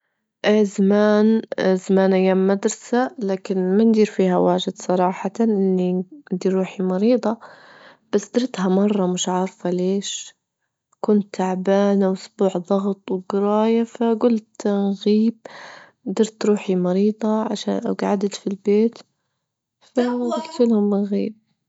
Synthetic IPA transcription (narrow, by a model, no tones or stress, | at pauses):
ʔaːzamaːnzamaːnʔajːaːmːad̪ɾˤɑsalaːkɪnmand̪iːɾfiːhawaːʒɪd̪sˤɑɾˤɑːħɑt̪ʔɪnːind̪iːɾɾːuːħimɑɾiːd̪ˤɑ | b̥asd̪ɪɾt̪ɦamɑrˤːɑmʊʃʕɑːɾˤfaleːʃ | kʊnt̪ːaʕbaːnawʔʊsbuːʕðˤɑɣt̪ˤwɡɪɾɑːjafaɡʊlt̪nɣiːb̚ | d̪ɑɾˤt̪ɾuːħimɑɾiːd̪ˤɑʕaʃa̰ːnʔa̰ɡʕad̪at̪filbeːt̪ | faɡɪlt̪ɪlhʊmːɪnɣḭːb̚